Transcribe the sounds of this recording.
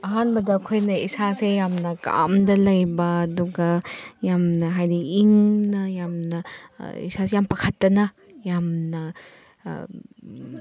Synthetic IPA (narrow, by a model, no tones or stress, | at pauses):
ɐɦanbɐdɐkʰojnɐisasejamnɐka̰mdɐlɐjbɐːduɡɐjamnɐɦajdiiŋnɐjamnɐḭsasejampɐkʰɐtːɐnɐ | jamnɐ̰